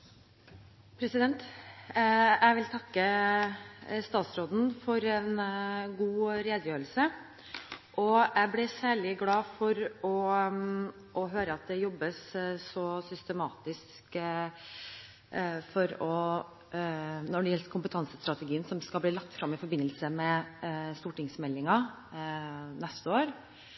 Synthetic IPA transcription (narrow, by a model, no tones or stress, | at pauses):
pʰɾɛsɪd̪ɛnt̪ | æɪʋɪlt̪ʰɑkːə | st̪ɑːt̪sɾoːd̪n̩fɔɾɛnɡuːɾeːd̪əjøːɾəlsə | ʔɔæblɪsæːɭɪɡlɑːfɔɾɔ | ʔɔɦøːɾəɑt̪̚d̪ɛjɔbːəsːɔsʏst̪əmɑːt̪ɪs | k | fɔɾɔ | nɔɖɛjɛlt̪kʰʊmpət̪ʰɑnsəst̪ɾɑt̪ɛɡiːənsɔmskɑlbliːlɑk̚t̪fɾɑmːɪfɔɾbɪnːəlsəmɛst̪uːʈɪŋsmɛlːɪŋɑ | nɛst̪əoːɾ